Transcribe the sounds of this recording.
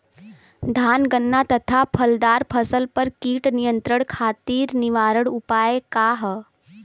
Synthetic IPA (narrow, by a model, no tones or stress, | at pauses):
d̪ʱanɡənːat̪ət̪ʰapʰəld̪aɾpʰəsəlpəɾkiːʈnijə̃nt̪ɾəɽkʰaːt̪iːɾniʋaɾəɽupaekaɦ